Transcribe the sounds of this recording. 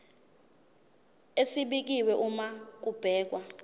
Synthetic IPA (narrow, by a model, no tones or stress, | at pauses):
esiɓik̬iwɛʔumak̬ub̥ʱɛːk̬wa